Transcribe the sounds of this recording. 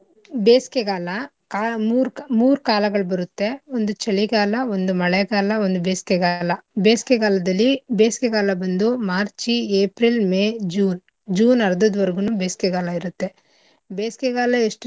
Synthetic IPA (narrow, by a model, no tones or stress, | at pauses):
beːsi̥keɡaːlɐ | kaːmuːɾumuːɾukaːlɐɡɐɭbɐɾut̪ːe̞ond̪ut͡ʃɐɭiɡaːlɐo̞nd̪umɐɭɛɡaːlɐond̪ubeːskeɡaːlɐbeːskeɡaːlɐd̪ɐlːibeːskeɡaːlɐbɐnd̪umaːɾt͡ʃieːpɾilmeːd͡ʒuːn | d͡ʒuːnɐɾɐd̪ɐd̪ʋɐɾɐɡunuːbeːsi̥kɛɡaːlɐiɾut̪ːe̞ | beːskeɡaːlɐeʂʈ